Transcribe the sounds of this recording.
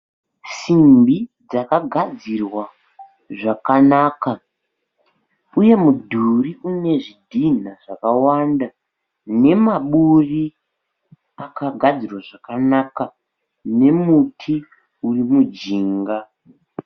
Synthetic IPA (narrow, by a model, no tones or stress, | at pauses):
simbid͡zakaɡʱad͡zirwa | ʐakanaːka | uje̞mudʱuriune̞ʐidʱin̤aʐ̥akawanda | ne̞maɓuri | akaɡʱad͡zirwaʐakanaka | ne̞mutʰi | urimud͡ʒiːŋɡa